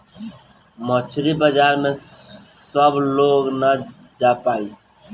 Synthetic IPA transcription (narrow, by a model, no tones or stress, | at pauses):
mət͡ʃʰɾibəd͡ʒaɾmesəbloɡnə | d͡ʒapai